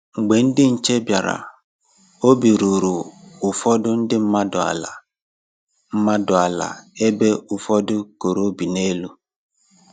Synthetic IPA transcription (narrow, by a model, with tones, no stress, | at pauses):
ŋ͡m̩˨ɡ͡be˨n̩˦dɪ˦n̩˨t͡ʃe˦bja˨ɾa̰˨ | o˦bi˨ɾu˨ɾu˨ʊ˨fɔ˦dʊ˦n̩˦dɪ˦m̩˦ma˦dʊ˨a̰˨la˨ | m̩˦ma˦dʊ˨a˨la̰˨e˦be˦ʊ˨fɔ˦dʊ˦ko˨ɾo˦bi˨ne˦lu˦